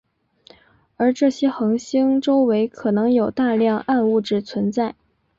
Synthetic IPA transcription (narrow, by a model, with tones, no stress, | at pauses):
ə˞˧˥ʈ͡ʂɤ˥˩ɕjɛ˥xɤ˧˥ŋɕi˥ŋʈ͡ʂo˥ʊwe˧˥ɪkʰɤ˨˩nɤ˧˥ŋjo˨˩ʊt̪a˥˧ljɑ˥˧ŋʔa˥˧nu˥˩ʈ͡ʂɻ̩˥˩t͡sʰwə˧˥nt͡sa˥˩ɪ